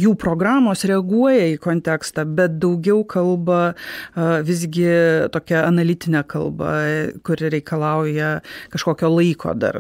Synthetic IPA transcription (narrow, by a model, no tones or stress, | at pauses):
juːpɾoːɡɾɑːmoːsɾʲɛɐɡuɔjɛiːkoːnʲt̪ʲækst̪ɑːbʲɛt̪̚d̪ɐʊɡʲɛʊkʰɐlˠbɐ | ʋʲɪzʲɡʲɪt̪oːkʲɛɐnɐlʲɪt̪ʲɪnʲɛkɐlˠbɐ̰kʊɾɾʲɛɪkɐlˠɐʊjɛkɐʃkoːkʲoːlˠɐɪkʰo̰ːd̪ɐ̰r